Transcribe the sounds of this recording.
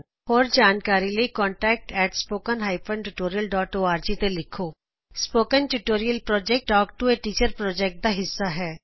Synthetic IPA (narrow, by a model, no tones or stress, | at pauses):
hɔːɾd͡ʒaːnkaːɾiləikɔ̃ːɳʈɛːk̚ʈɛːʈspoːkənɦaːɪpə̃nʈuʈoːɾijəlɖɔːʈoːaːɾd͡ʒiːt̪elɪkʰoː | spoːkənʈuʈoːɾijəlpɾɔːd͡ʒɛk̚ʈʈɔːk̚ʈueːʈiːt͡ʃəɾpɾɔːd͡ʒɛk̚ʈ̚d̪aːɦɪsːaɦɛː